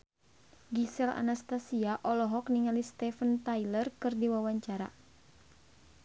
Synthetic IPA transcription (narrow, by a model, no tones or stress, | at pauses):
ɡisɛla̰nast̪asiaʔɔlɔɦɔkniŋalist̪ɛfənt̪ajlərkɨrdiwawaɲt͡ʃaɾa̰